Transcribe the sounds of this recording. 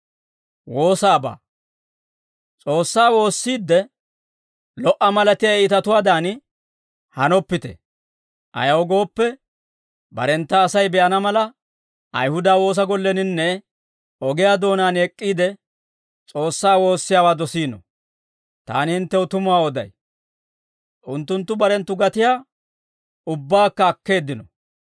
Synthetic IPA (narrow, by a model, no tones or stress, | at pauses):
wo̞ːsaːba̰ː | t͡sʼo̞ːsːaːwo̞ːsːiːd̪ːɛ | lɔʔɐmɐlɐt̪ɪjɐːt̪ɐt̪ʊwaːd̪aːn | hɐnɔpːɪt̪ɛ̰ | ʔɐ̰jɐwɔɡo̞ːpːɛ | bɐ̰ɾɛnt̪ːɐːsɐjbɛʔɐnɐmɐlɐ | ʔɐ̰jhʊd̪aːwo̞ːs̬ɐɡɔlːɛnɪnːɛ | ɔɡɪjaːd̪o̞ːnaːnɛkʼːiːd̪ɛ | t͡sʼo̞ːsːaːwo̞ːsːɪjaːwaːd̪ɔsiːnɔ̰ | t̪a̰ːnɪhɪnt̪ːɛwʊt̪ʊmʊwaːɔd̪ɐ̰j | ʔʊnt̪ːʊnt̪ːʊbɐɾɛnt̪ːʊɡɐt̪ɪjaː | ʊbːaːkːɐːkːe̞ːd̪ːɪnɔ̰